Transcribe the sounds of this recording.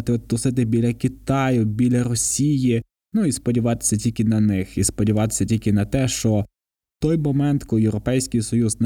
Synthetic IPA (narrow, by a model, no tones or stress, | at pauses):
t̪ɪɔt̪ːɔsɪt̪̬ɪbʲilʲɐkʲit̪ɑjʊbʲilʲɐɾɔsʲiji | nuispɔdʲiʋɑt̪ɪ̥sʲɐtʲilʲkɪnɐnɪxispɔdʲiʋɑt̪ɪ̥sʲɐtʲilʲkɪnɐt̪ɛʃt͡ʃɔ | t̪ɔjmɔmɛnt̪kɔjewɾɔpɛjsʲkijsɔjuzn